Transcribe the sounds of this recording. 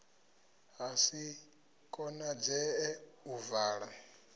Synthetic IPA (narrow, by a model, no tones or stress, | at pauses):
ɦasi | kʼɔnad͡zɛɛuvaːɺa